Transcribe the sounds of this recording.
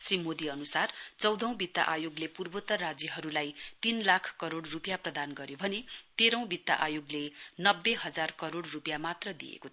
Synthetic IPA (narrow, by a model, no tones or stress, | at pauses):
srimod̪iʌnusart͡sʌwd̪ʱʌw̃bit̪ːa̰ʔajoɡlepurbot̪ʌrad͡zjiɦʌɾulajt̪inlakʰkʌɾoɽrupjaprʌd̪anɡʌɾjobʱʌnet̪eɾʌw̃bit̪ːa̰ʔajoɡlenʌbːeɦʌd͡zarkʌɾoɽrupjamat̪rʌd̪ḭḛkot̪ʰ